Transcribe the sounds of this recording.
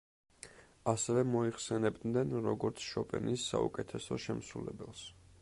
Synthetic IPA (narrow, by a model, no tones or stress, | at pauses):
asɛvɛmɔiχsɛnɛbd̪nɛnɾɔɡɔɾt̪sʰʃɔpʼɛ̰nisːa̰ṵkʼɛt̪ʰɛsɔʃɛmsulɛbɛlˠs